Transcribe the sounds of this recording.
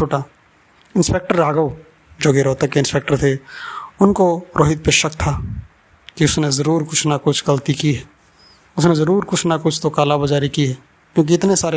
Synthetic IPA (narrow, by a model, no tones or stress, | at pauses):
t͡ʃʰoːʈaː | ɪ̃nspeːk̚ʈəɾːaːɡəw | d͡ʒoːɡeɾɔːt̪əkeɪ̃nspeːk̚ʈəɾt̪ʰeʊnkoɾʔoːɦɪt̪̚peːʃəkt̪ʰaː | kiʊsnezɐɾuːɾkʊt͡ʃʰnakʊt͡ʃʰɡɐlt̪ikiɦɛː | ʊsnezɐɾuːɾkʊt͡ʃʰnakʊt͡ʃʰt̪okaːlabɐd͡ʒaːɾikiɦɛː | kjõːk̬iɪt̪nesaːɾe